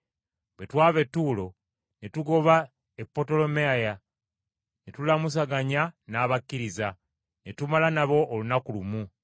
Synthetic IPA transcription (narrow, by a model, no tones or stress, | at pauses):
we̞twaːβe̞tːuːlo̞ | netuɡo̞βa | epːo̞to̞lo̞meaja | netulamus̬aɡaɲanaːβakːiɾiza | netumalanaβo̞ʔːlunakulumu